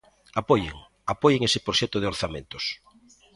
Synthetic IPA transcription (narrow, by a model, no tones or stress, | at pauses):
apɔjḛŋ | apɔjeŋesɪpɾoʃɛt̪ʊð̞eoɾθamẽnt̪ʊ̥s